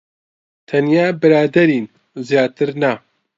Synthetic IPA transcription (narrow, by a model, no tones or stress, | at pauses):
t̪ʰɐnjaːbɨɾaːd̪ɐɾiːn | zijaːt̪ɨɾna